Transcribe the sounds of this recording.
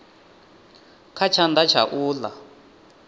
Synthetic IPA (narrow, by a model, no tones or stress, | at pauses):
kʰat͡ʃʰand̪at͡ʃʰa̰ʔuːla̰